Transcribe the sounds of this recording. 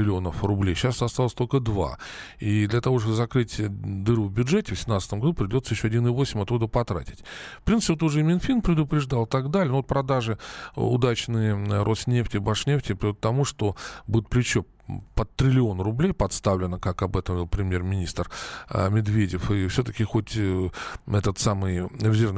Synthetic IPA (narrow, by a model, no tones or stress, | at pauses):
ɪlʲɪo̞nəfrʊblʲejɕːast̪ɐst̪alˠəsʲt̪o̞lʲkəd̪va̰ | id̪lʲɐt̪ɐvo̞ʂt̪obɨzɐkɾɨtʲd̪ɨɾvəvbʲʊʐɛtʲɪvəsʲɪmnat̪sət̪əmɡɐd̪upɾʲɪdʲo̞t̪səjɪɕːo̞ɐdʲinɨvosʲɪmʲɐt̪ːud̪əpɐt̪ɾa̰tʲɪ̥tʲfpɾʲint̪spʲvot̪ʊʐɛmʲɪnfʲinpɾʲɪd̪ʊpɾʲɪʐd̪alˠt̪ɐɡd̪alʲɪnovot̪pɾɐd̪aʐɨʊ̰d̪at͡ɕnɨjəɾʔo̞snʲe̞ftʲɪbaʂnʲeftʲɪpɾʲɪot̪ːɐmuʂt̪o̞budʲɪt̪̚plʲɪt͡ɕːo | pət̪ɾʲɪlʲɪo̞nrʊblʲejpɐt̪st̪avlʲɪnəkakɐbɛt̪əmvʲilˠpɾʲɪmʲje̞rmʲɪnʲist̪rmʲɪd̪vʲedʲɪfɨfsʲot̪əkʲɪxo̞tʲ | ɛt̪ət̪samɨjɾʲɪzʲervn